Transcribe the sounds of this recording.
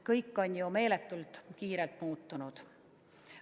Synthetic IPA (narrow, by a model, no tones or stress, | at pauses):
kɤjkːo̞nʲjume̞ːlet̪ːult̪kiːɾelt̪muːt̪ːunud̪̥